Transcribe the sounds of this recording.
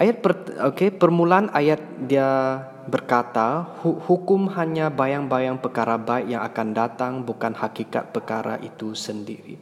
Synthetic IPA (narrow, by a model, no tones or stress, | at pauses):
ʔajat̪̚pərokepərmulaanajat̪̚dia | bərkat̪ahuhukʊmhaɲabajaŋbajaŋpərkaɾabaɪkjaŋa̰kandat̪aŋbukanhakika̰t̪̚pərkaɾa̰ʔit̪usəndiɾḭ